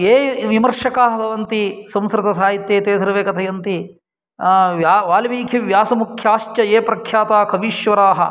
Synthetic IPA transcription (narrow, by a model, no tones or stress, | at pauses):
eːʋimɐɾʂɐkaːɦɐbʱɐʋɐnt̪isɐ̃mskɾɪt̪ɐsaːjit̪jeːt̪eːsɐɾɐʋeːkɐt̪ʰɐjɐnt̪i | jaʋaːlɐmiːkʰiʋjaːsɐmukʰjaːʃt͡ʃɐeːpɾɐkʰjaːt̪aːkʰɐbiːʃʋɐɾaːɦɐ̰